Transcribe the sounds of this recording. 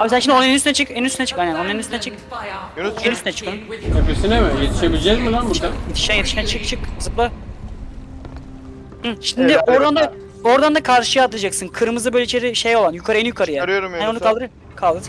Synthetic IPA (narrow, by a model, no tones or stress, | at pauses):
aːbisænʃimd̪oeniyst̪ynɛt͡ʃʰɯkenyst̪ynɛt͡ʃʰɯ̥kajnɛnoneninyst̪ynɛt͡ʃʰɯkː | nyst̪ynɛt͡ʃʰɯ̥kʰɯnepisinemɪjet̪ʰiʃebilʲd͡ʒɛzmilanbuɾd̪ajet̪ʰi̥ʃænjet̪iʃɛt͡ʃʰɯk̚t͡ʃʰɯkɯzɯplˠa | h̩ʃind̪ɪoɾd̪and̪a | o̞ɾd̪and̪akʰaɾʃɯjat̪ʰɯad͡ʒaksɯnkʰɯɾɯmɯzɯbøːlʲeit͡ʃʰe̞ɾiʃejo̞lˠanjykʰaɾɯenjykʰaɾɯjaɾjoɾnonukalˠɯɾɯ | kʰalˠd̪ɯɾ